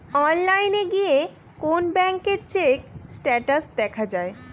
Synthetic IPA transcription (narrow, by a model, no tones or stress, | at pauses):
ɔnlajneɡie | konbɛŋkeɾt͡ɕeksʈɛʈasd̪ɛkʰad͡ʑae